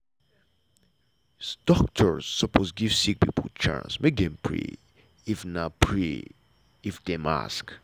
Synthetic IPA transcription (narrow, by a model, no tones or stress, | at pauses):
sd̥ɔk̚tʰə˞sːəpʰosɡiv̥sik̚pḭpʰəlt͡ʃã̰nsmek̚dɛ̃mpʰɹḛ | ifnapʰɹe | ifdɛ̃ma̰sk